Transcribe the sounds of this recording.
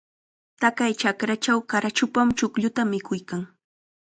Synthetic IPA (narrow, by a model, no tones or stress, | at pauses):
t̪akajt͡ʃakɾat͡ʃawkaɾat͡ʃʊpamt͡ʃʊkʎʊt̪amɪkʊjkaŋ